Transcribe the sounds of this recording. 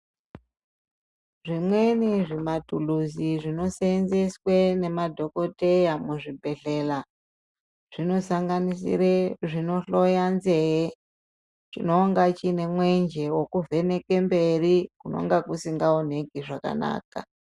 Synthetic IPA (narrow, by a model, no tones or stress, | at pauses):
ʐimwe̞niʐimatuluziʐino̞seenzeswene̞madʱo̞ko̞te̞jamuʐibʱe̞ɬe̞la | ʐ̥ino̞saŋɡanisḭreʐino̞ɬo̞janzeɦe | t͡ʃḭnoŋɡat͡ʃine̞mwe̞nd͡ʒe̞wokuve̞ne̞ke̞mbe̞rikuno̰ŋɡakusiŋɡaon̤e̞kiʐaka̰na̰ːka̰